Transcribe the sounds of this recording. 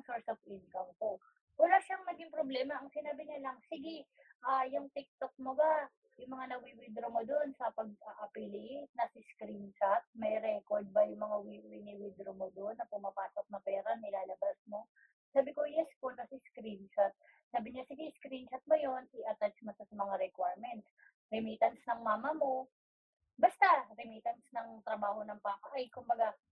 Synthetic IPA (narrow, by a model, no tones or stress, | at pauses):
ŋsoɹsofʔɪnkɐmko̞ | wɐlaːʃaŋnɐɡɪŋpɾoblɛːmɐʔɐŋsɪnaːbɪɲalɐŋsɪɡɛ | ʔaːjʊŋt̪ɪk̚t̪ok̚moba | jʊŋmɐŋanɐwiwɪd̪ɾomod̪onsɐpɐɡ̚ʔaʔɐpɪlɪnɐsɪskɾint͡ʃat̪̚mɐjɾɛkoɹd̪̚bɐjʊŋmɐŋawiwɪnɪwɪd̪ɾomod̪onːɐpʊmɐpaːsok̚nɐpɛːɾanɪlaːlɐbasmo̞ | saːbɪko̞jɛskolkɐsɛskɾint͡ʃat̪̚ | saːbɪɲasɪɡiskɾint͡ʃɐt̪̚mojo̞nɪʔɐt̪at͡ʃmoʃɐsɐmɐŋaɾɛkwaːɹmɛnt̪s | ɾɪmiːt̪ɐnsnɐŋmaːmɐmo̞ | bɐst̪aɾɪmiːt̪ɐnsnɐŋt̪ɾɐbaːho̞nɐŋpaːkɐʔɐjkʊmbɐɡa